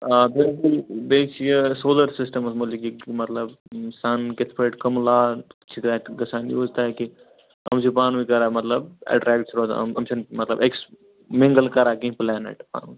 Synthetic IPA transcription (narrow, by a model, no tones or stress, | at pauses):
abilkulbet͡ʃʰijəsoːləɾsisʈəmɐsmolikimɐt̪ləbsaːnket̪ʰpeʈkɐmlat͡ʃʰit̪ɾaɡɐsaːnjoːd͡ʒt̪aki | ɐ̰msʰipaːnuikɐɾamɐt̪ləbɛ̰ɖɾaːɡʈt͡ʃʰɾo̰ɐmt͡ʃʰinmɐt̪ləbeks | mĩŋɡəlkɐɾakĩplɛːnḛʈpa̰ːnu